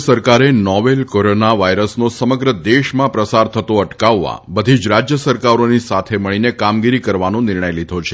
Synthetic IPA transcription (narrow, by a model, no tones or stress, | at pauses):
səɾkaɾenɔʋelkoɾonaʋajɾəsnosəməɡɾəd̪eʃmãpɾəsaɾt̪ʰət̪oəʈkaʋːã̰bəd̪ʱid͡ʒɾad͡ʒjəsəɾkaɾonisat̪ʰeməɭinekamɡiɾikəɾʋanõnɪɾɳəjlid̪ʱot͡ʃʰe